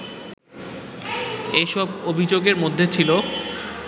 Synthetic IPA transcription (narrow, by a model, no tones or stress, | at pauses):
eʃɔbobʱid͡ʑoɡeɾmod̪ʱːet͡ɕʰilo